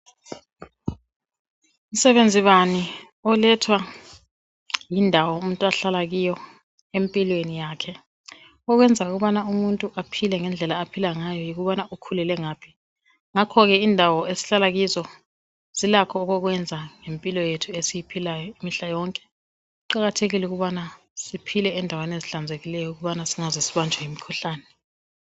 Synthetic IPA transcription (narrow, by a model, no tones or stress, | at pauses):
m̩sɛβend͡zʱiβani | ɔlɛtʰwa | jindʱawɔumuntʼuaɬalaɣijɔ | empʼilwenijaːkʰɛ | ɔɣwɛnd͡zʱauɣuβanaumuntʼuʔapʰilɛŋɛnd͡ɮʱɛlaːpʰilaŋajɔjiɣuβanaʔukʰulɛlɛŋaːpʰi | ŋakʰɔɣɛindʱawɔesi̥ɬalaɣizɔ | z̥ilakʰɔːɣɔɣwɛnd͡zʱaŋempʼilɔjetʰuesijipʰilajɔimiɬajɔŋkʼɛ̥ | uǃaɣatʰeɣilɛuɣuβana | sipʰilɛːndʱaweneziɬand͡zʱeɣilɛjɔuɣuβanasiŋazisiβand͡ʒʱajimikʰuɬaːnɛ